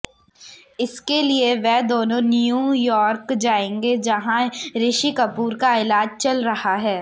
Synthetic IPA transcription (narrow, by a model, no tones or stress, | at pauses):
ɪskelieʋɛɦd̪oːnõnijuːjɔːɾkd͡ʒaːẽːŋɡed͡ʒɐɦãɾɪʃikɐpuːɾkaɪlaːd͡ʒt͡ʃɐlɾɐhaɦɛː